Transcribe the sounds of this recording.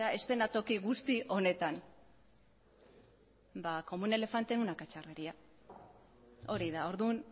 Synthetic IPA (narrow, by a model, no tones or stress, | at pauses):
aʔe̞st̪e̞nat̪o̞kiɣust̪iʔo̞ne̞t̪an | bako̞mune̞le̞fant̪e̞nunakat͡ʃareɾia | o̞ɾiðao̞ɾðun